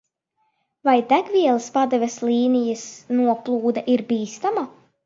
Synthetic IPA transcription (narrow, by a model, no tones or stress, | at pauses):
vajd̪æɡvʲiɛlˠaspad̪ɛvʲɛsliːnijasnuɔplˠuːd̪aʔiɾbiːst̪ama